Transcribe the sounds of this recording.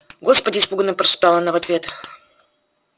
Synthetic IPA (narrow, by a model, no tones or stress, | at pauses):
ɡospədʲɪispuɡənɨmpɾɐʂɨ̥t̪alˠənavɐt̪vʲe̞t̪